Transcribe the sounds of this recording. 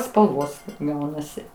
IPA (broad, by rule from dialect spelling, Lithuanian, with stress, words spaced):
spɐlˠˈʋoːs ˈɡɐʊnɐsʲɪ